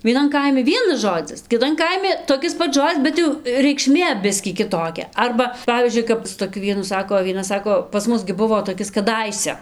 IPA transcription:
ʋʲiɛˈnɐn ˈkɐɪmʲɪ ˈʋʲiɛnɐs ˈʒoːd͡zʲɪs kʲɪˈtɐn ˈkɐɪmʲɪ toːˈkʲɪs ˈpɐts ˈʒoːd͡zʲɪs ˈbʲɛt jɛʊ rʲɛɪkˈʃʲmʲeː ˈbʲɪsʲkʲiː kʲɪˈtoːkʲɛ ˈɐrbɐ ˈpɑːʋʲiːzʲd͡ʒʲʊɪ kɐt sʊ toːˈkʲʊ ˈʋʲiɛnʊ ˈsɑːkoː oː ʋʲiɛˈnɐ ˈsɑːkoː pɐs ˈmʊs ɡʲɪ ˈbʊʋoː toːˈkʲɪs kɐˈdɐɪsʲɛ

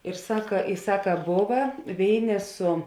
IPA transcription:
ɪr ˈsɑːkɐ ɪ ˈsɑːkɐ ˈboːʋɐ ˈʋʲeːɪˌnʲeː sʊ

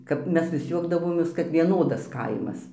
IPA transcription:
ˈkɐp ˈmʲɛs ʋʲɪs ˈjuɔɡdɐʋoːmʲeːs kɐt ʋʲiɛˈnoːdɐs ˈkɐɪmɐs

